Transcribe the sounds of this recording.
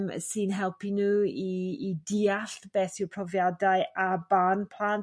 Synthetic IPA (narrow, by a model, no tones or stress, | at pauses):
msɨnɦɛlˠpʰinuːiːdiːaɬb̥ɛːθɪwpʰrɔvjadaɨʔabanpʰlˠaːn